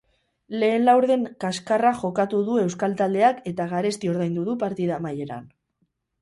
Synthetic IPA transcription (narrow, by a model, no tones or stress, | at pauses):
le̞ːnlawɾðe̞ŋkaskaraʝo̞kat̪uðue̞wskalt̪ald̪e̞ake̞t̪aɣaɾe̞st̪io̞ɾðajnd̪uðupaɾt̪iðamaje̞ɾa̰n